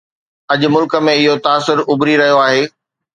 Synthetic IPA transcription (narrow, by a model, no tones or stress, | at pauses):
ɐʄʊ̆mʊlkə̆mẽɪɦot̪aːsʊɾʊbɾiɾɐɦijoaːɦeː